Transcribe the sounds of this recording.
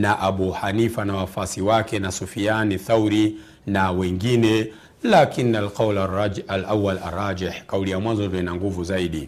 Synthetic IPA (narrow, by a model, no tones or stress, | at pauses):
naʔaɓuhanifanawafasiwakɛnasufijaniθawɾi | nawɛŋɡinɛ | lakinːalqawlaralʔawːala̰rːaːd͡ʒiħkaulijamwanzɔndɔɛnaŋɡuvuzaiɗi